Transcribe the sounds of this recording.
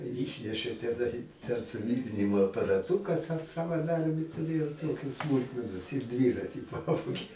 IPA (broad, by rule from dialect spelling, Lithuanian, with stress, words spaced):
ˈiːʃʲnʲɛʃʲeː tʲɛˈnɐɪ tʲɛn sʊˈʋʲiːrʲɪnʲɪmoː ɐpɐrɐˈtuːkɐs ɐʃ sɐʋɐˈdɐrʲbʲiː tʊˈrʲeːjɛʊ ˈtoːkʲɪ ˈsmʊlˠkmʲɛnoːs ɪr ˈdʲʋʲiːrɐtʲɪ ˈpɑːʋoːɡʲeː